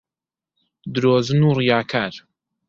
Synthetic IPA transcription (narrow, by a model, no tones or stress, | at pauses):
d̪ɨɾoːzɨnuːrijaːkʰaːɾ